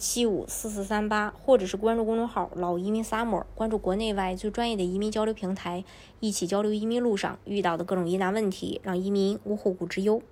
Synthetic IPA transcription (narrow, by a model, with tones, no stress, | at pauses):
t͡ɕʰi˥ṵ˨˩sɹ̩˥˧s̬ɹ̩˥˩sa˥npa˥xwɔ˥˩ʈ͡ʂɤ˨˩ʂɻ̩˥˩kwa˥nʈ͡ʂu˥˩kʊ˥ŋʈ͡ʂʊ˥ŋxɑ˨˩˦ʊlɑ˨˩ʊi˧˥mi˧˥ŋsa˥mɔ̰˨˩˦kwa˥nʈ͡ʂu˥˩kwɔ˧˥ne˥˧ɪwa˥˧ɪt͡swe˥˧ɪʈ͡ʂwa˥njɛ˥˩d̪ə˩i˧˥mi˧˥ŋt͡ɕjɑ˥ʊljo˧˥pʰi˧˥ŋt̪ʰa˧˥ɪ | i˥˩t͡ɕʰi˨˩t͡ɕjɑ˥ʊljo˧˥ʊi˧˥mi˧˥nlu˥˧ʂɑ̰˥˧ŋy˥˧t̪ɑ˥˩ʊd̪ə˩kɤ˥˩ʈ͡ʂʊ˨˩ŋi˧˥na˧˥nwə˥˩nt̪ʰḭ˧˥ɻɑ˥˩ŋi˧˥mi˧˥ŋu˥xu˥˩ku˨˩ʈ͡ʂɻ̩˧˥jo˥ʊ